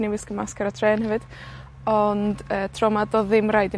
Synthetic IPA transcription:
niwɪsɡ̥əmaskaɾɔtʰrɛːnhəvɨd̥ | ɔndəːtʰrɔmadɔðɪmrajdɪ

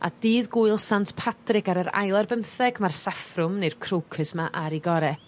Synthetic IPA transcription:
a̰d̥iːðɡuɨlˠsantpʰatrɪɡaɾəɾa̰jlˠarbəmθɛɡmarsafrʊmnejrkʰrowkʰɨsmaʔaɾiɡɔɾɛ

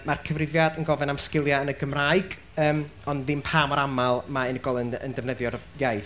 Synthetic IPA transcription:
markʰəvrɪvjadənɡɔvɛnamskɪlˠjaənəɡəmraɨɡ | əːmɔnðɪmpʰaːmɔɾamalˠmaɪnəɡɔlˠənə̰ndəvnəðjɔrjajθ

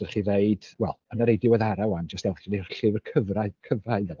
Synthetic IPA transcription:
ərχiːneɨd̥wɛ̰lˠənaɾejdɪwɛðaɾawand͡ʒəstɛlˠχiner̥ɬɨvrkʰəvrakʰəvraɨðə

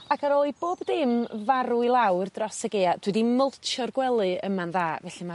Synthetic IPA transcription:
akʰaɾoɨb̥oːbdɪmvaɾuilˠawrdrɔsəɡead̥wɛdiməlˠt͡ʃʰɔrɡwɛlˠɨəmanðaːvɛɬɨma

